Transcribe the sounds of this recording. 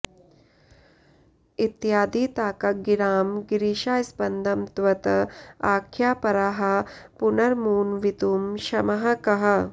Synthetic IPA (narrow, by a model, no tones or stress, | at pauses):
it̪jaːd̪iːt̪aːkɐɡiɾaːmɡɾiːʃaːspɐnd̪ʱɐmt̪ʋɐt̪ɐaːkʰjaːpɐɾaːɦɐ̆punɐɾmuːnʋit̪uːmʃɐmɐɦɐkɐɦɐ̆